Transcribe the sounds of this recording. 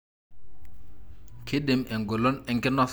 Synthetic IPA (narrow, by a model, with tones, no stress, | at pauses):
kʰe˦ɗɪ˨mʔɛ˨ŋɡo˨lo˦nɛ˦ŋkɛ˦nɔ˦s